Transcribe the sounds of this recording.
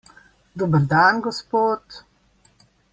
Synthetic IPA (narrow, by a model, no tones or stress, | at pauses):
d̪obəɾd̪aːnɡospoːt̪